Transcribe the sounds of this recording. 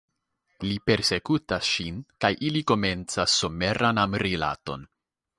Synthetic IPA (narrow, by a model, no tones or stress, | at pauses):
lipe̞ɾse̞kutasʃinkajʔiliko̞me̞nt͡sasːo̞me̞ɾʔanamɾila̰to̞̰n